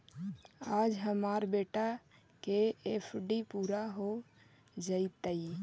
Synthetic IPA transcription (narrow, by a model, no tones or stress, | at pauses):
aːd͡ʒɦəmaɾbeːʈa | keepʰɖipuːɾaɦo | d͡ʒait̪ai